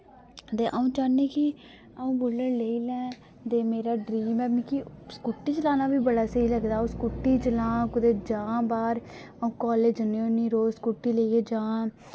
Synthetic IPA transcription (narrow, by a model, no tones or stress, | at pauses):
t̪eːʔaũːt͡ʃaːneːki | aũːbʊləleːiːlɛ̃ː | t̪eːmeːɾaːɖɾiːmɛːmĩkiskuʈːiːt͡ʃəlaːnaːbiːbəɽaːsəiːləɡd̪aːũskuʈːiːt͡ʃəlãːkʊd̪eːd͡ʒãːbaːɾəũːkɔːleːd͡ʒəneːoniːɾoːskuʈːiːleiɡeːd͡ʒãː